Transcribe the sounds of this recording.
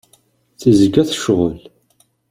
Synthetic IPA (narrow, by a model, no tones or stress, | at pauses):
θizəɡæθə̥ʃʁə̰l